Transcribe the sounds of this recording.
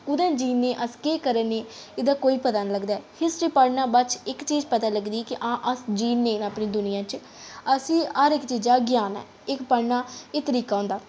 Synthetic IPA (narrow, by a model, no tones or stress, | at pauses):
kʊd̪ɛ̃ːd͡ʒiːnːeːʔəskeːkəɾeːneː | ɪd̪aːkoːiːpət̪aːnləɡd̪aɛːhɪsʈɾiːpəɽnãːbət͡ʃɪkt͡ʃiːd͡ʒpət̪aːləɡd̪iːɛːkiʔãːʔəsd͡ʒiːnːeːnaːpniːd̪ʊnɪjãːt͡ʃ | əsĩːəɾɪkt͡ʃiːd͡ʒaːɡɪjaːnɛ̰ː | ɪkpəɽnaːeːt̪əɾiːkaːɦõːnd̪aː